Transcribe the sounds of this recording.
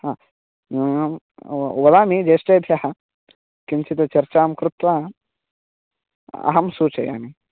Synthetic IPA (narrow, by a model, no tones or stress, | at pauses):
haː | ʋɐd̪aːmid͡ʒeːsʈeːb̪ʱjɐɦɐ | kimt͡ʃit̪ɐt͡ʃɐɾt͡ʃaːmkɾut̪ʋɐ | ɐ̰ɦɐmsuːt͡ʃɐja̰ːni